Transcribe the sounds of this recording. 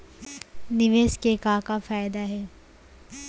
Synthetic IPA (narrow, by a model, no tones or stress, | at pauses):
nɪʋeːskekaːkafaːjd̪aɦɛː